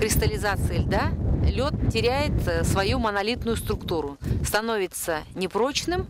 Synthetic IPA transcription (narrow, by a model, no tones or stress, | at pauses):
kɾʲɪst̪əlʲɪzat̪sɨɪlʲd̪alʲo̞t̪tʲɪɾʲæjɪt̪svɐjumənɐlʲit̪nʊjʊst̪ɾʊkt̪uɾʊst̪ɐnovʲɪt̪sənʲɪpɾo̞t͡ɕnɨm